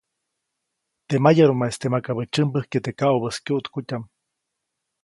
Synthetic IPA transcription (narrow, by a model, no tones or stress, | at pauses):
t̪emajaɾumaest̪emakaβət͡ʃɨmbəhket̪ekauβəskjuʔt̪kut̪ʲam